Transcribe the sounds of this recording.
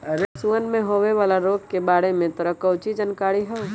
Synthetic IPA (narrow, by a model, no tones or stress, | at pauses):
suənmẽɦoːʋeʋaːlaɾoːɡ̚kebaːɽemẽt̪əɾəkəʊt͡ʃid͡ʒənkaːɽiɦɛ